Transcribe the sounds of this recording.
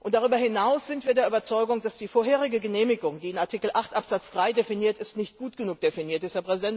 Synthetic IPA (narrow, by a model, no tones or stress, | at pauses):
ʔʊntd̥aʁ̞yːbɐhɪnaʊsz̥ɪntv̥iːɐdeːɐʔybɐt͡sɔʏɡʊŋd̥asd̥iːfoːɐheːʁ̞ɪɡəɡəneːmɪɡʊŋdiːɪnaɐtʰikl̩ʔaχtʔapz̥at͡sd̥ʁaɪdefiniːɐtɪstnɪçt̚ɡ̥uːtɡ̥ənuːk̚d̥efiniːɐtɪstheɐpʁ̥ɛzidɛnt